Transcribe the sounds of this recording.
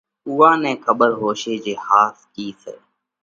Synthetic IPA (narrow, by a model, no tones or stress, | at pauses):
uːãːnẽːkʰəbəɾɦoːʃeːd͡ʒeːhaːskiːsḛː